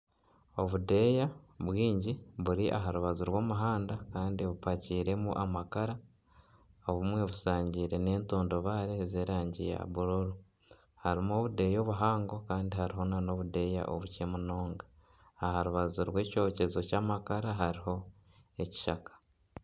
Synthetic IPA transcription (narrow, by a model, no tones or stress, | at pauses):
o̞βude̞jaβwiːɲɟiβuɾiʔa̰ɦaɾuβazuɾwoːmuɦaːndakaːndiβupaciːɾe̞muʔamakaɾa | oβumwe̞βusaːɲɟiːɾe̞ne̞ːntoːndo̞βaːɾezeːɾaːɲɟija̰βuɾuɾu | haɾimo̞ːβude̞jo̞ːβuɦaːŋɡo̞kaːndihaɾiɦo̞nano̞βude̞ja̰ʔo̰βuce̞muno̞ːŋɡaː | haɾuβazuɾwe̞ːco̞ːce̞zo̞caːmakaɾaɦaɾiho̞ | e̞ci̥ʃakḁ